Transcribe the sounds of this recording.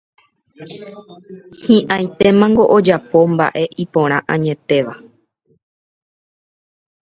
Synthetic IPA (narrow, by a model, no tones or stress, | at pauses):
hĩʔãj̃t̪e̞mãŋɡo̞ʔod͡ʒapo̞mba̰ʔe̞ʔipõ̞ɾ̃ãʔãɲẽ̞t̪e̞ʋa